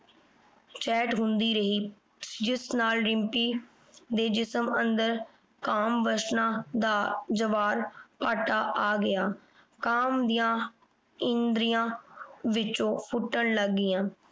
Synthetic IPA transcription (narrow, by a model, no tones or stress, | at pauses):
t͡ʃɛːʈɦʊnd̪iːɾəɦiː | d͡ʒɪsnaːlɾɪmpiː | d̪eːd͡ʒɪsəmə̃nd̪əɾ | kaːmʋəʃnãːd̪aːd͡ʒəʋaːɾpaːʈaːʔaːɡɪjaː | kaːmd̪ijãː | ɪnd̪ɾijãːʋɪt͡ʃõːpʰʊʈːəɳləɡːɪːãː